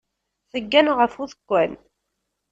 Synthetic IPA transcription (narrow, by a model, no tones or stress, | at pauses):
θəɡːænʁəfuðəkʷːæn